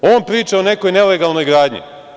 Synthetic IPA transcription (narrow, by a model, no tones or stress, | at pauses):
oːnpɾiːt͡ʃaone̞kojneleɡalˠno̞jɡɾaːd̪ɲḭ